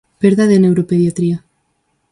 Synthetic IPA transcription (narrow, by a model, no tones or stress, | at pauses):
peɾðaðenewɾopeðjat̪ɾia